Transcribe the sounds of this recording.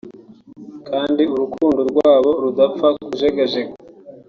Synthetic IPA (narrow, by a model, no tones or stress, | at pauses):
kʰaːndiuɾukʰuːndoɾɡwaːβo̞ɾudafakuzeɡeʒeko